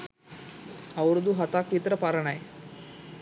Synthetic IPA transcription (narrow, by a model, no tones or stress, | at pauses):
ɐʋɾud̪uɦɐt̪aːkʋit̪ɾɐpaɾɐɳaje